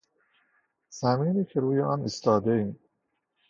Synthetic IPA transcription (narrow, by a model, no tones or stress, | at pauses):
z̥æmiːniːkʰeɾuːjeʔɒːnist̪ɒːd̪eiːm